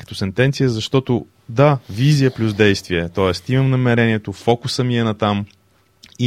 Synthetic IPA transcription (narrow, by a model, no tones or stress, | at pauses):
kə̥t̪ɔsɛnt̪ɛnt̪sijəzɐʃt̪ɔt̪ʊ | d̪avizijəplʲuzd̪ɛjst̪viɛt̪ɔɛst̪imɐmnɐmɛɾɛniɛt̪ofɔkʊsəmiɛnɐt̪am | i